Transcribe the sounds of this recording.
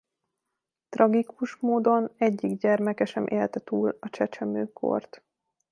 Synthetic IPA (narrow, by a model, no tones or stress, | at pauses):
t̪rɒɡikuʃmoːd̪o̞nɛɟːiɡɟɛrmɛkɛʃɛmʔeːlt̪ɛt̪uːlɒt͡ʃɛt͡ʃɛmøːkʰo̰rt̪